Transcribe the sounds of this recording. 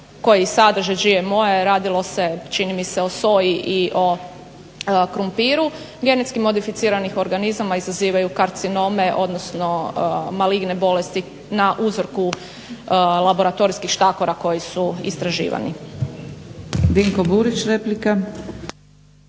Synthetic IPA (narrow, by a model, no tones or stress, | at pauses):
ko̞jisad̪r̩ʒeʒiemo̞jeɾaːd̪ilˠo̞se̞t͡ʃinimise̞o̞so̞jiʔiʔo̞ | kɾumpiːɾu | ɡe̞net̪skimo̞d̪ifit̪siːɾanixo̞ɾɡanizamaizaziːʋajukaɾt̪sino̞me̞ʔo̞d̪no̞sno̞maliɡne̞bo̞le̞st̪i | naʔuzɾ̩ku | lˠabo̞ɾat̪o̞ɾiskixʃt̪ako̞ɾako̞jisuḭst̪ɾaʒḭːʋa̰nḭ | biŋkobuɾit͡ʃɾeplika